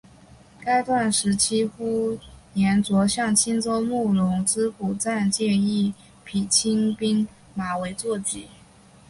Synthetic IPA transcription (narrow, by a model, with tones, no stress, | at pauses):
ka˥ɪt̪wa˥˩nʂɻ̩˧˥t͡ɕʰi˥xu˥njɛ˧˥nt͡swɔ˧˥ɕjɑ˥˩ŋt͡ɕʰi˥nt͡so˥ʊmu˥˩lʊ˧˥ŋt͡sɻ̩˥ku˨˩t͡sa˥˧nt͡ɕjɛ˥˧i˥˩ | pʰi˨˩t͡ɕʰi˥ŋpi˥ŋ | ma˧˥we˧˥ɪt͡swɔ˥˩t͡ɕi˧˨˩